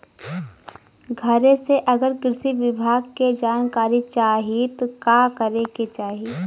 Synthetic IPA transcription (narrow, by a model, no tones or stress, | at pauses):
ɡʱɐɾeseʔɐɡəɾkɾɪsiʋɪbʱaːɡked͡ʒaːnkaːɾit͡ʃaːɦit̪okaːkəɾeket͡ʃaːɦi